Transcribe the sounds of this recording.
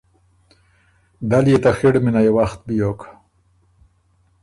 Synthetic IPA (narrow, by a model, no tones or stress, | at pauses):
d̪aljet̪axiɽminajewaxt̪̚bijokḁ